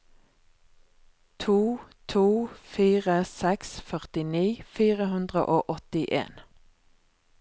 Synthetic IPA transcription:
t̪ʰuːt̪ʰuːfiːʁəsɛksfœʁt̪ɪniːfiːʁəhʉnd̪ʁə̰ʔoːʔɔt̪ɪʔḛːn

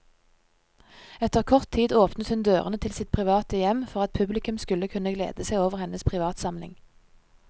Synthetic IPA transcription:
ɛt̪əʁkʰɔʁt̪ʰːiːd̪oːpnət̪hʉnd̪øːʁənət̪ʰɪlsɪt̪̚pʰʁɪʋɑːt̪əjɛmfɔʁɑt̪̚pʰʉblɪkʉmskʉləkʰʉnəɡlḛːd̪əsæɪoːʋəʁhɛnəspʰʁɪʋɑːt̪sɑmlɪ̰ŋ

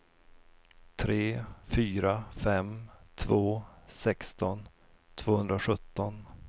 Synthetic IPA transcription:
t̪ʰɾeːfyːɾafɛmt̪ʰvoːsɛkst̪ɔn | t̪ʰv̥oːhɵnd̪ɾaɧɵt̪ːɔn

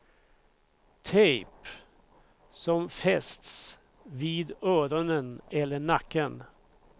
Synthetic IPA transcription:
t̪ʰeɪp | sɔmfɛst̪s | ʋiːd̪øːɾɔnənɛlːəɳɑkːən

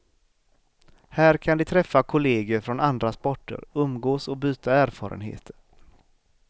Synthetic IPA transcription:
hæːɾkʰand̪ɪt̪ʰɾɛfːakʰʊleːɡəɾfɾɔnand̪ɾaspɔʈːə̰ɾɵmɡoːsɔbyːt̪ʰaæːɾfɑ̰ːɾə̰nɦḛːt̪ʰəɾ

